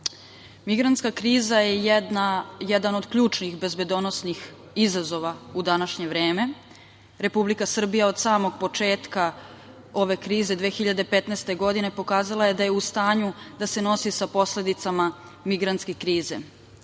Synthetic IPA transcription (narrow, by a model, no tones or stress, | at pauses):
miɡɾant̪skakɾiːzajeajɛd̪ano̞d̪kʎuːt͡ʃnixbe̞zbed̪o̞nosnix | izazo̞ʋaud̪anaʃɲe̞ʋɾe̞ːme̞ | ɾe̞publikasr̩bijao̞d̪saːmo̞ɡ̚po̞t͡ʃe̞ːt̪ka | o̞ʋe̞kɾiːze̞d̪ʋeːxiʎad̪e̞pet̪nest̪e̞ɡo̞d̪ine̞po̞kaːzalajed̪ajeust̪aːɲud̪ase̞no̞sisapo̞sle̞d̪it̪sama | miɡɾant̪ske̞kɾiːze̞̰